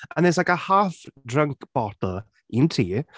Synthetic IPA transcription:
anɛsakəhaːfdrəŋkʰb̥ɔtl̩ˠ | intʰiː

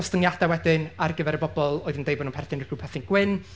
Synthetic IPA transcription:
stəŋjad̥ɛwɛdɪnarɡəvɛɾəbɔbɔlˠoːɨðəndejbɔnunpʰɛrθɪnrɡ̥uːpʰɛθɪnɡ̥wɪn

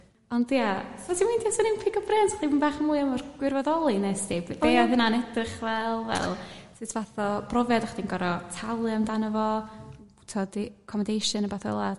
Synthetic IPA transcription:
ɔndjaɔdʰimundasɔnɪmpʰɪɡɔbrɛntʰḁχimunbaːχəmuːɨəmɔrɡwɪrvɔðɔlˠinɛsibbeɔɦənanɛdrɪχvɛlˠvɛ̰lˠsɨtʰvaθɔb̥rɔvɛdaχd̥inɡɔɾɔtʰalˠjamdanəvɔutʰɔdkʰɔməndejʃɨnəbaθɔə̰lˠa

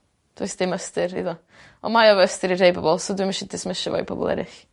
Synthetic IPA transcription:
d̥wḛsd̥ɪməstɨrḭðɔ | ɔmajɔvɔəstɨɾirejbɔbɔlˠsɔdwɪməʃɪdʰɪsməʃavɔ̰ḭbɔ̰bɔ̰lˠɛ̰ɾɪ̰ɬ

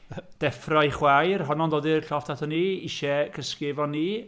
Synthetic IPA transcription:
d̥ɛfrajχwajrɦɔnɔndoːdirɬɔftʰatʰɔniiʃɛkʰəskɪvɔnːi

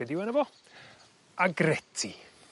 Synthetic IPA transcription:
ɛdiwɛnəvɔ | aɡrɛtʰi

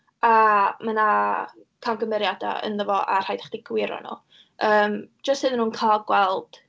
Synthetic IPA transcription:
amana | kʰanɡəmɛɾjada̰ə̰nðəvɔʔar̥ajdḁχd̥iɡ̥wɪɾɔ̰nṵ | ʔəːm̥d͡ʒəstsɨðənuːnkʰalɡwɛlˠd̥

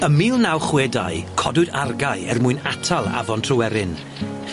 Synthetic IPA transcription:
əmiːlˠnawχweːda̰jkʰɔdʊɨdarɡaɨɛrmʊɨnatʰalˠa̰vɔntʰrɔwɛɾɪn

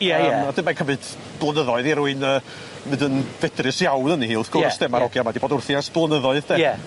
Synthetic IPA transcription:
jɛəad̥ɨmakʰəmɨd̥ | b̥lˠənəðɔɨðiɾuɨnəː | mɨdənvɛdrɨsjawnənihiːlˠəθɡ̥ʊrsd̥ɛmaɾʔɔɡjamadiboːdʊrθjasb̥lˠənəðɔɨðd̥ɛɛ

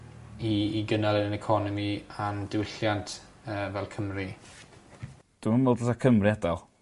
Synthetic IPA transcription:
iiɡənalˠənənɛkʰɔnɔmiandɪwɪɬjantʰ | əːvɛlˠkʰəmri | d̥əmənmoːdəsakʰəmriɛdal

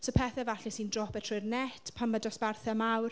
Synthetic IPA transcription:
sopʰɛθɛvaɬɛsindrɔpɛtʰrʊjrnɛtʰpʰamːədɔsb̥arθɛmawr

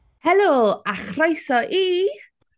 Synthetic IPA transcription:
hɛlˠoːaχrajsɔʔiː

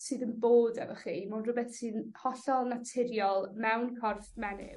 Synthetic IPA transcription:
sɨːðənboːdɛ̰vɔχimanrʊbɛθsɨːnhɔɬɔlˠnatʰɪɾjɔlˠmɛwnkʰɔrθmɛnɪ̰

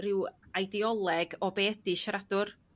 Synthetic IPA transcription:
rɪwajdiɔlˠɛɡɔbeːdiʃradʊr

